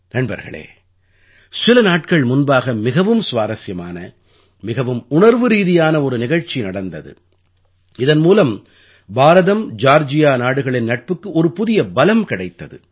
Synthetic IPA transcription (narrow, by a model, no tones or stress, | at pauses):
nɐnbɐ̰ɾɣɐ̰ɭḛː | sɪlɐnaːʈ̚kɐɭmʊnbaːɣɐmɪɣɐʋɯmsʋaːɾɐsjɐmaːnɐ | mɪɣɐʋɯmʊɳɐɾʋɯɾiːðɪjaːnɐɔɾɯnɪɣɐɻt͡ʃinɐɽɐnd̪ɐðɯ̰ | ɪðɐnmuːlɐm | baːɾɐðɐmd͡ʒaːɾd͡ʒɪjaːnaːɽɯɣɐɭɪnnɐʈ̚pɯkːɯʔɔɾɯpʊðɪjɐbɐlɐmkɪɽɐɪt̪ːɐðɯ̰